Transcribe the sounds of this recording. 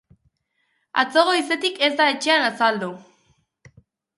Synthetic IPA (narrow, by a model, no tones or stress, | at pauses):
a̰t͡so̞ɣoise̞t̪ike̞zd̪ae̞t͡ʃe̞anasald̪u